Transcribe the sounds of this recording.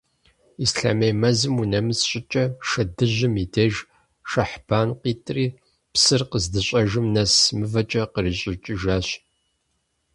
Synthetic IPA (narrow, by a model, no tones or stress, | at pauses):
isɬa̰mejmɐzɨmunɐmɨsɕʼɪt͡ʃʼɐʃɐdɨʑɪmidʰeʒ | ʃɐħb̥aːnqiːtʼriː | psɨrqəzdɨɕʷʼɐʒɨmnɐsmɨvɐt͡ʃʼɐqəriːɕʼɪt͡ʃʼɪʒaːɕ